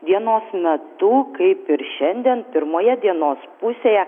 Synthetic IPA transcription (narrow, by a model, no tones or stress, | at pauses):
d̪ʲiɛnoːsmʲɛt̪ʊkɐɪpɪɾʃʲɛnʲd̪ʲiɛnpʲɪɾmoːjɛd̪ʲiɛnoːspʊsʲeːjɛ